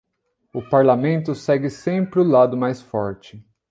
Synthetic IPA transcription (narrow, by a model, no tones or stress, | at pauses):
ʊpaɾlamẽnt̪ʊsɛɡɪsẽmpɾɪʊlad̪ʊmajsfɔɾt͡ʃɪ